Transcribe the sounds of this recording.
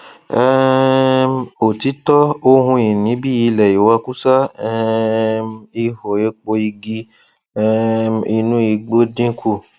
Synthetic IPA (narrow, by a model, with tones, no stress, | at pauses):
ɛ˦ | o˨ti˨˦tɔ˦o˧ɦũ˧i˨nĩ˨˦bi˦ji˧lɛ˨ji˨wa˧ku˦sa˦ɛ˦˧mi˧ho˨e˧˦k͡po˧i˧ɡi˧ | ɛ˦˧i˧nũ˦i˧ɡ͡bo˦dĩ˦kʰu˦˨